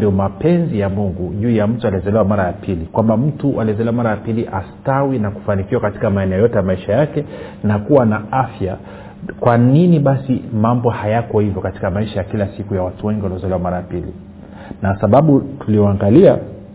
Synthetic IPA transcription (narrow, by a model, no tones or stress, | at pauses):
diɔmapɛnzijamuŋɡuʄuːjam̩tualiɛzɛlɛwamaɾajapʰilikwambam̩tuʔaliɛzɛlɛwamaɾajapiliʔastawinaku̥fanikiwakati̥kamaɛnɛɔjɔtɛjamaiʃajakɛ | nakuwanaafja | kwaniniɓasimambɔhajakɔhivjɔkati̥kamaiʃajakilasikujawatuwɛŋɡiwaliɔzɔlɛwamaɾajapilḭ | nasaɓaɓutulijɔaŋɡalia